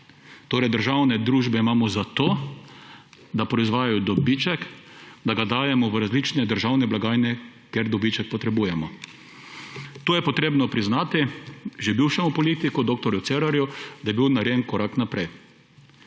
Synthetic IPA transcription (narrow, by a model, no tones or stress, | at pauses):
t̪oːɾɛjd̪əɾʒawnɛd̪ɾuːʒbɛimaːmɔzat̪oː | d̪apɾɔizʋaːjajɔd̪ɔbit͡ʃɛkd̪aɡad̪aːjɛmɔʋəɾazlit͡ʃnɛd̪əɾʒawnɛblaɡaːjnɛ | keɾd̪ɔbit͡ʃɛk̚pɔt̪ɾɛbuːjɛmɔ | t̪oːjɛpɔt̪ɾeːbnɔpɾiznaːt̪iʒɛbiwʃɛmupɔliːt̪ikɔd̪oːk̚t̪ɔɾjʊt̪seɾaɾjud̪ajɛbiwnaɾjenkɔɾaknapɾɛj